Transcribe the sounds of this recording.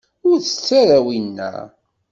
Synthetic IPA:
ʊɾθə̥t͡sːaɾawinːæ̰

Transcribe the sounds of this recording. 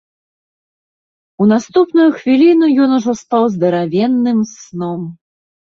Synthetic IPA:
unast̪upnujuxvʲilʲinujɔnuʐɔst̪awzd̪ɐɾavʲɛnːɨmsnɔm

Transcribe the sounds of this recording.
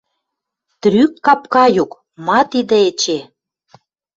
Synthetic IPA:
t̪ɾykːɑpkɑjuk | mɑt̪id̪ĕet͡ɕe

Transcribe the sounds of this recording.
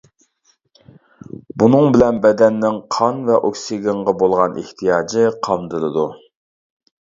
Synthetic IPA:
bunɨŋbɪlɛnbɛd̪ɛnːɪŋqʰɑnvɛʔokʲsiɡʲɪɴʁɑbolˠʁɑnʔḛht̪ʰijɑːd͡ʒɨqʰɑmd̪ɨlˠɨd̪u

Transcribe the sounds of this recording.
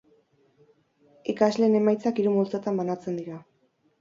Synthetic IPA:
ikazle̞ːne̞majt͡sakiɾumult͡sot̪ambanat͡se̞nd̪iɾa

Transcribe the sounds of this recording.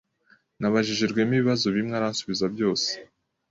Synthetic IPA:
naβaʒiʒeɾɡwe̞miβiβazoβimŋaɾansuβizabjo̞ːse̥

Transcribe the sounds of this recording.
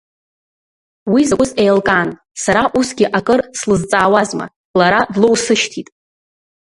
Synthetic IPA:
wizakʷʼʊzejlkʼan | saɾaʔusɡʲɪʔakʼɨrslɨzt͡sʼaːwazma̰ | laɾadlowsɨʃtʰitʼ

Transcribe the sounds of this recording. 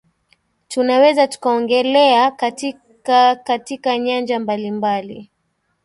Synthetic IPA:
tunawɛzatu̥kaɔŋɡɛlɛakati | katikaɲand͡ʒambalimbalḭ

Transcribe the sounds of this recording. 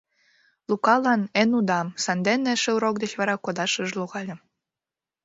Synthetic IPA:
lukɑlɑnenud̪ɑmsɑnd̪eneʃeuɾok̚d̪et͡ɕβɑɾɑkod̪ɑʃəʒluɣɑlʲə̆

